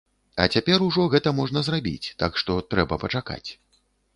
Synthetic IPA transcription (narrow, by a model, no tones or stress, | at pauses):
ɐ̰t͡sʲapʲɛɾuʐɔɣɛt̪ɐmɔʐnɐzrabʲḭt͡sʲt̪akʂt̪ɔt̪ɾɛbɐpɐt͡ʂaka̰t͡sʲ